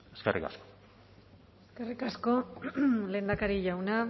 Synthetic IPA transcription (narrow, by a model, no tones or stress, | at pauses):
eskerʔika̰sko̥ | eske̞rikasko̞le̞ːnd̪akaɾiʝawna